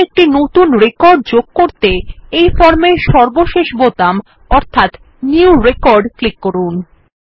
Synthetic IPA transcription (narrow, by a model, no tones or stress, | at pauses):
ek̚ʈinot̪unɾekɔɾɖ̚d͡ʑoɡ̚koɾt̪eejfɔɾmeɾʃɔɾboʃeʃbot̪am | ɔɾt̪ʰat̪ | niuɾekɔɾɖklikːoɾun